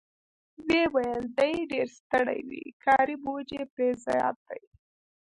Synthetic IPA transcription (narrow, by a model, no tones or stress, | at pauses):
wewajəld̪ajɖeɾst̪əɽa̰jwḭkʰɑɾibod͡ʒepɾezɑjɑ̰t̪̚d̪aj